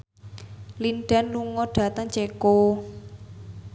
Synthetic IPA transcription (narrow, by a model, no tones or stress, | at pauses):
linɖ̥a̤nluŋɔɖ̥ä̤t̪əŋt͡ʃeko